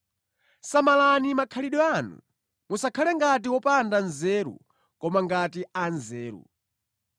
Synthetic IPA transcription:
samalanimakʰaliɗɔanṵ | musakʰalɛŋɡat̬iwɔpandanzɛːɾṵ | kɔmaŋɡatianzɛːɾṵ

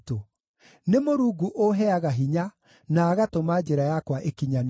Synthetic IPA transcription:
to | nemoɾuːɡuʔoɦɛaɣaɦiɲa | naːɣatomad͡ʑɛɾajakwaʔekiɲan

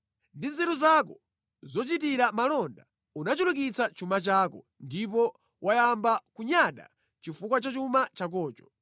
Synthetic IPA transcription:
ndizɛɾuzak̬ɔ | zɔt͡ʃitiɾamalɔnda | unat͡ʃulukit͡sat͡ʃumat͡ʃaːkɔ | ndipɔ | wʔajambakuɲaɗa̰ | t͡ʃifukwat͡ʃat͡ʃumat͡ʃak̬ɔːt͡ʃɔ̥

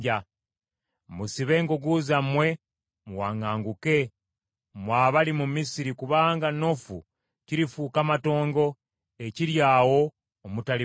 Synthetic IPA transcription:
a | musiβe̞ːŋɡoɡuzamwe̞ | muwaŋaːŋɡuke̞ | mwaːβalimumisiɾikuβaːŋɡano̞fṵ | ciɾifuːkamato̞ːŋɡo̞ | e̞ciɾjaːwo̞ː | mutali

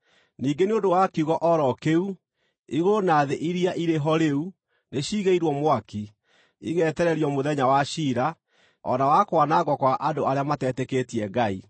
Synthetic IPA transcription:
niːɡeneondowakiuɣɔʔɔɾɔkeu | iɣonaðeʔiɾiaʔiɾeɦɔɾeu | neɕiːɣeiɾwɔmwaki | ḭɣɛtɛɾɛɾiɔmoðɛɲawaʃiːɾa | ɔ̰nawakwanaɣɔkwaʔadoaɾeamatɛtɛketiɛɡai

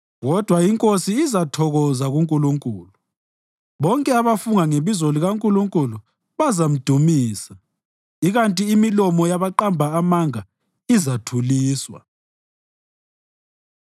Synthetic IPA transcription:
ɣɔd̥ʱwaiŋkʼosiːzatʰɔɣɔzaɣuŋkʼuluŋkʼuːlu | βɔŋkʼɛaβafuŋaŋeβizoliɣaŋkʼuluŋkʼulu | βazam̩d̥ʱumiːsa | iɣantʼiːmilɔmɔjaβaǃambʱaːmaŋa | izatʰuliːswa̰

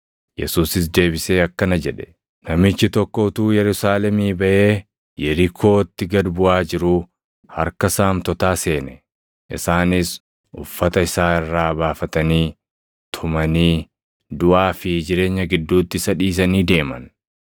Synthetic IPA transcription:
jɛ̰suːsɪs̬d̪e̞ːbɪseːɐkːɐnɐd͡ʒɛᶑɛ̥ | nɐmɪt͡ʃːɪt̪ɔkːɔʊt̪uːjɛɾʊsaːlɛmiːbɐʔe̞ː | jɛɾɪkʰo̞ːt̪ːɪɡɐd̪bʊʔaːd͡ʒɪɾʊ | hɐ̰ɾkɐsaːmt̪ɔt̪aːse̞ːnɛ | ʔɪsaːnɪs | ʔʊfːɐt̪ɐɪsaːɪrːaːbaːfɐt̪ɐniː | t̪ʰʊmɐniː | d̪ʊʔaːfɪd͡ʒɪɾe̞ːɲːɐɡɪd̪ːuːt̪ːɪsɐᶑiːs̬ɐniːd̪e̞ːmɐ̰n

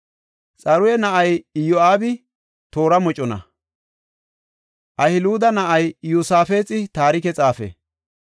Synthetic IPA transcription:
t͡sʼɐɾʊjɛnɐʔɐjjɔaːbɪ | t̪o̞ːɾɐmɔt͡ʃʼɔnɐ̰ | ʔɐhɪluːd̪ɐnɐʔɐjjusaːfe̞ːt͡sʼɪt̪aːɾɪkɛt͡sʼaːfɛ̰

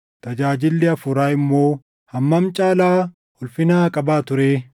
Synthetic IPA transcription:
t̪ɐd͡ʒaːd͡ʒɪlːɪɐfʊɾaːɪmːo̞ː | hɐmːɐmt͡ʃʼaːlaː | ɔlfɪnaːkʼɐbaːt̪ʊɾeː

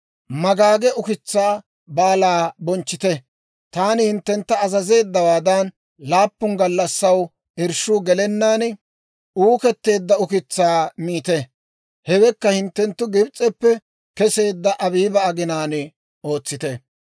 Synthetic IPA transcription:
mɐɡaːɡɛʔʊkɪt͡sːaː | baːlaːbɔnt͡ʃːɪt̪ɛ | t̪aːnɪhɪnt̪ːɛnt̪ːɐːzɐze̞ːd̪ːɐwaːd̪ɐn | laːpːʊŋɡɐlːɐsːɐw | ɪɾʃuːɡɛlɛnːaːn | uːkɛt̪ːe̞ːd̪ːɐʊkɪt͡sːaːmiːt̪ɛ | hɛwɛkːɐhɪnt̪ːɛnt̪ːʊɡɪbt͡sʼːɛpːɛ | kɛse̞ːd̪ːɐʔɐbiːbɐːɡɪnaːn | o̞ːt͡sːɪt̪ɛ

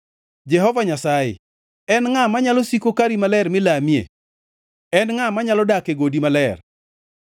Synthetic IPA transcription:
d͡ʒɛɦɔvaɲasaɪ̰ | ɛnŋamaɲalosikokaɾimalɛrmɪlamiḛ | ɛnŋamaɲalɔdakeɡodimalɛr

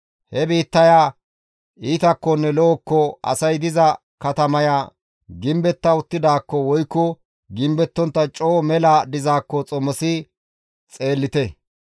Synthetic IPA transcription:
hɛbiːt̪ːɐjaː | iːt̪ɐkːɔnːɛlɔɔkːɔɐ̰sɐjd̪ɪzɐ | kɐt̪ɐmɐjaː | ɡɪmbɛt̪ːɐʊt̪ːɪd̪aːkːɔwɔjkːɔ | ɡɪmbɛt̪ːɔnt̪ːɐt͡ʃʼoːmɛlɐd̪ɪzaːkːɔt͡sʼɔmɔsɪ | t͡sʼe̞ːlːɪt̪ɛ

